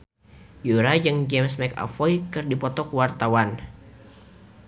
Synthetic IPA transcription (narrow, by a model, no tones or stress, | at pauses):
juɾad͡ʒɨŋd͡ʒɛmsmɛka̰fɔjkɨrdipɔt̪ɔkwart̪awan